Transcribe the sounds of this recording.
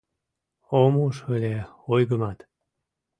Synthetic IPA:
omuʃβəlʲe | ojɡəmɑt̪

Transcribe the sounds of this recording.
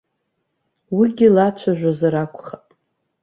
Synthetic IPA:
wiɡʲilat͡ʃʷʰaʒᶣʷazaɾakʷʰʼχapʼ

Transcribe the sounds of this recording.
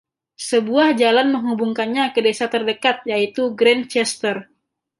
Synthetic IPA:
səbuahd͡ʒalanməŋɦubuŋkanɲakədesat̪ərdəkat̪̚jait̪uɡɾɛnt͡ʃɛst̪ər

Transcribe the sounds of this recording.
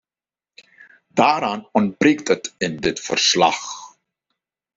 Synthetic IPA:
d̥aːɾaːnɔnt̚breːktətɪndɪtfə̰rslɑ̰x

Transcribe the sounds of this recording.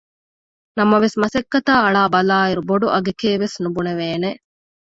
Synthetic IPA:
nɐmɐʋesmɐsekːɐt̪aːɐɭaːbɐlaːiɾuboɖuʔɐɡekeːʋesnubuneʋeːne

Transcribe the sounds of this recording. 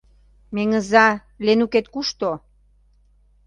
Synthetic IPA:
meŋə̆zɑ | lenuket̪kuʃt̪o

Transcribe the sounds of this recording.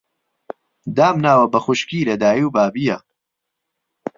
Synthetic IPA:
d̪aːmnaːwɐbɐxʊʃkiːlɐd̪aːjiwbaːbijɐ

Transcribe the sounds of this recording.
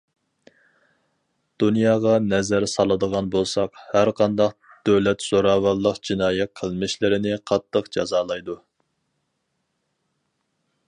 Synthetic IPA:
d̪̥unjɑːʁɑnɛzæɾsɑlˠɨd̪əʁɑnbolˠsɑqhæɾqʰɑnd̪ɑq | d̪̥øwlɛt̪z̥oɾɑːwɑlˠːəqd͡ʒinɑːjɛt̪̚qʰəlˠmɪʃlɪɾɪnɪqʰɑt̪ʰːəqd͡ʒɑzɑːlˠɑjd̪u

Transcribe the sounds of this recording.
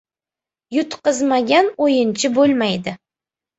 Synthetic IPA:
jʊt̪qɨzmaɡʲanojɪnt͡ʃʰɪbolˠmajd̪ɪ

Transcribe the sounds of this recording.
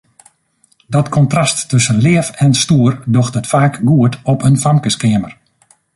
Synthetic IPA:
dɔtkʰɔntrastːɵsənlɪəfɛnstuərdɔxtətfaːkɡuətɔpʰənfamkəskɪəmər

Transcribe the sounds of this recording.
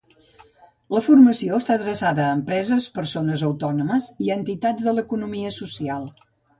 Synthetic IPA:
ləfurməsioəst̪aðɾəsaðəːmpɾɛzəspəɾsonəzəwt̪ɔnuməziənt̪it̪ad͡zzðələkunumiəsusialˠ

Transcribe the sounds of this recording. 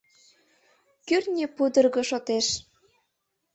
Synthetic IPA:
kyrnʲepud̪ə̆rɣɤ̆ʃot̪eʃ

